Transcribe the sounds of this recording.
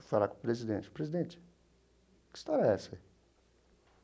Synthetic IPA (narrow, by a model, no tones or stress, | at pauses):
falakõpɾezid̪ẽnt͡ʃɪ̥pɾezid̪ẽt͡ʃɪ̥ | kɪ̥st̪ɔɾɐɛsɐi